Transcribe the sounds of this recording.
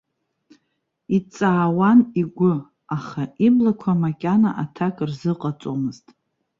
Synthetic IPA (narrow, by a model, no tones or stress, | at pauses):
it͡sʼaːwaniɡʷʊ | aχaiblakʷʰamakʲʼana̰ʔatʰakʼrzɨqʼat͡sʼomɨztʼ